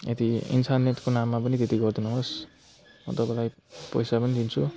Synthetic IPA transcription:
et̪iḭnsanːet̪konamːapʌnit̪et̪iɡʌrd̪unʌɦos | mʌ̰t̪ʌpalaj | pʌ̰jsapʌnid̪int͡sʰu

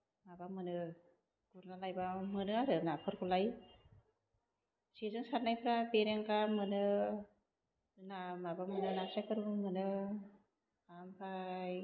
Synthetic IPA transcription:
mabamɯnɯ | ɡ̥uɾnalajbamɯnɯaɾɯnapʰɯɾkʰulaj | sizɯŋsat̚najpʰɾabeɾeŋkamɯnɯ | namabamɯnɯnasakɯɾuŋmɯnɯ | ampʰaj

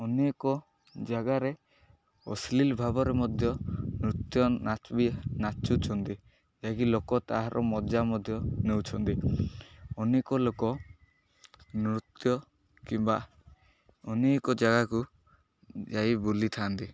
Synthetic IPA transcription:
ɔnekɔ | d͡ʒaɡaɾe | ɔ̰slilbʱabɔɾemɔd̪ʱjɔnɾut̪jɔnat͡ʃbinat͡ʃut͡ʃʰɔnt̪i | d͡ʒakilokɔt̪aɦaɾʔɔmɔd͡ʒamɔd̪ʱjɔnewt͡ʃʰɔnt̪i | ɔnekɔlokɔ | nɾut̪jɔ | kimba | ɔnekɔd͡ʒaɡaku | d͡ʒajbulit̪ʰant̪i

